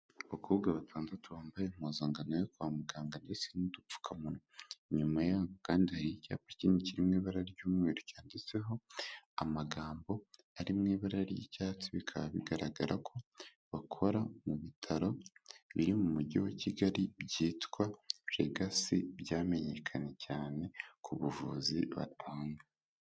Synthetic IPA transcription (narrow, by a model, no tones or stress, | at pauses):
βakʰoɡaβatʰaːndatuβaːmbajem̥ozaːŋɡanojokwaːmuɡaːŋɡandesinidup͡fu̥kʰamunoɲumajaːβokaːndihaɾica̰ːpḁciːniciɾimŋiːβaɾaɾiɟuːmŋeːɾucaːndit͡se̞ɦo̞amaɡaːmbo̞ | aɾimŋiːβaɾaɾijḭcaːt͡siβikʰaβaβiɡaɾaɡaɾakʰo̞ | βakʰo̞ɾamuβitʰaɾo̞βḭɾimumuɟiwaciɡaɾibɟiːtkwaʒ̥ḛɡasiβɟaːme̞ɲe̞kʰaɲe̞caːne̞kʰuβuvṵziβa̰tʰaːŋɡa